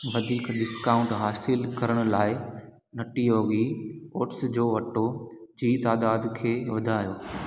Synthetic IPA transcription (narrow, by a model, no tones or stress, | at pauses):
ʋɐd̪ʱiːkɗɪskaːʊ̃ɳʈɦaːsɪlkɐɾəɽ̃ʊ̆laːɪ | nɐʈijoːɡioːʈsd͡ʑoːʋɐʈod͡ʑiːt̪aːd̪aːd̪kʰeːʋɐd̪ʱaːjoː